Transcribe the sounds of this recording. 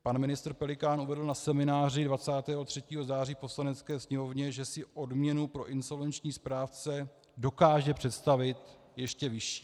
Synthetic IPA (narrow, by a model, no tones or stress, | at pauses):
panmɪnɪst̪ɾ̩pɛlɪkaːnʔuvɛdl̩nasɛmɪnaːr̝ɪdvat͡saːt̪ɛːɦo̞t̪r̝̥ɛciːɦo̞zaːr̝iːpo̞slanɛtt͡skɛːsɲɛmo̞vɲɛʒɛsɪʔo̞dmɲɛnupɾo̞ʔɪnso̞lvɛnt͡ʃɲiːspɾaːft͡sɛ | do̞kaːʒɛpr̝̥ɛt̪st̪avɪt̪ | jɛʃcɛvɪʃi̥ː